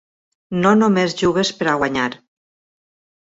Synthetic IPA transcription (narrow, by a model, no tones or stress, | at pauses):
nonomezʒuβespeɾaɣwaɲaɾ